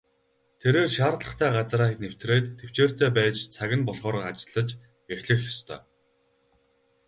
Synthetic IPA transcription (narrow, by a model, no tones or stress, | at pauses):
t̪ʰeɾeːrʃaːɾɮə̆χt̪ʰæːɢat͡sraːxnew̥t̪reːt̪ʰːew̥t͡ɕeːr̥t̪eːpæːt͡ɕt͡sʰaɣʲɪ̆npɔɮχɔːɾat͡ɕɪ̆ɮə̆t͡ɕ | jaxʲɮɘ̆xjɔst̪ʰœ̰ː